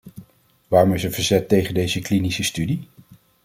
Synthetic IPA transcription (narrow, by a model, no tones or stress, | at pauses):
ʋaːrɔmɪsəv̥əɹzɛtːejχəndejzəklinisəstydi